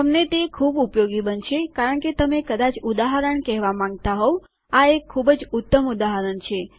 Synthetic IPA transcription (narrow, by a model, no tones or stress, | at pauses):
əmnet̪ekʰubupjoɡibənt͡ʃʰekaɾəɳket̪əmekəd̪at͡ʃud̪aɦəɾəɳkɛɦʋamãŋɡ̚t̪aɦɔʋ | aekʰːubd͡ʒʊt̪ːəmud̪aɦəɾəɳt͡ʃʰe